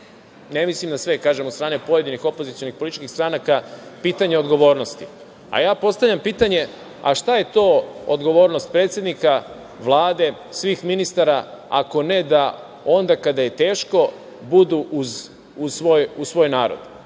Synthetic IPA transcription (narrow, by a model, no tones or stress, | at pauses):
nemislimd̪asʋe̞kaːʒemot̪st̪ɾaːnepo̞je̞d̪inixo̞po̞zit̪sijo̞nixpoiti̥t͡ʃkixst̪ɾanakapiːt̪aɲeo̞d̪ɡo̞ʋo̞ːɾno̞st̪i | a̰jaːpo̞st̪avʎʲampiːt̪aɲe̞ | a̰ʃt̪aje̞t̪o̞ːo̰d̪ɡo̞ʋo̞ːɾnost̪̚pɾeːt̪sje̞d̪nika | ʋlˠaːd̪e̞ | sʋiːxminist̪aɾaa̰ko̞ne̞d̪a | o̞nd̪akad̪aje̞t̪e̞ːʃko̞ | bud̪uʔuz | usʋojusʋo̞ːjnaːɾo̰d̪